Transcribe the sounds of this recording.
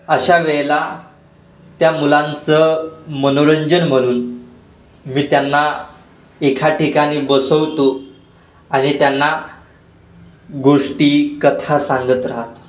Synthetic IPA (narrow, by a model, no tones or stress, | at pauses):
əɕaʋɛɭla | t̪jamulãnt͡səmənoɭəɲd͡ʑənm̤əɽ̃uːn | miːt̪janːa | ekʰaʈikaɽ̃iːbəsəʋt̪o | aɽ̃it̪janːa | ɡoʂʈiːkət̪ʰasãŋɡət̪ɾaɦat̪